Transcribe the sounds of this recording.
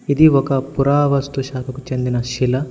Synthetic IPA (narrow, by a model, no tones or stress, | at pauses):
id̪iɔkɐpuɾaːʋɐst̪uʃaːkʰɐkut͡ʃe̞nd̪inɐʃilɐ